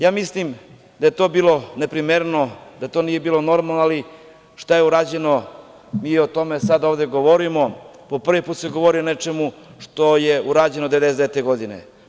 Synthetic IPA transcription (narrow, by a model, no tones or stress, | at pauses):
jaːmislim | d̪aje̞t̪o̞ːbiːlˠo̞ne̞pɾimeɾno̞d̪at̪o̞nije̞biːlo̞no̞ɾmalˠnoali | ʃt̪ajeuɾaːd͡ʑe̞no̞ | miːot̪o̞me̞sad̪oʋd̪e̞ɡo̞ʋoɾimo̞po̞pr̩ʋipuːt̪se̞ɡo̞ʋoɾionet͡ʃe̞muʃt̪o̞jeuɾaːd͡ʑe̞nod̪eed̪esd̪et̪eɡo̞d̪inḛ